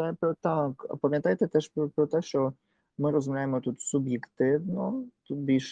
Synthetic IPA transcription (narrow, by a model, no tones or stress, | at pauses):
ɛpɾɔt̪aka̰pamjɛ̃nt̪ajt̪ɛt̪ɛʃpɔpɾɔt̪ɛʃɔ | məɾɔzumlajmɔt̪ut̪subjɛkt̪ɪvnɔ̃t̪ubiʃ